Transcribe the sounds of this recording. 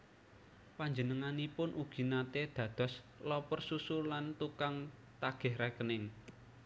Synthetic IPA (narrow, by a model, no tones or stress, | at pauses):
paɲd͡ʒənəŋanipʊnʔuɡ̥i̤nat̪ed̪̥ä̤d̪̥ɔ̤s | lɔpərsusulant̪ukaŋ | t̪aɡ̥ɛ̤hɾakənɪŋ